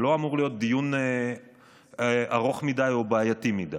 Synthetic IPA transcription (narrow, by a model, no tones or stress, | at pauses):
lo̞amuʁlijo̞t̪̚d̪ijune | ʔaʁo̞χmidajo̞baːjatimida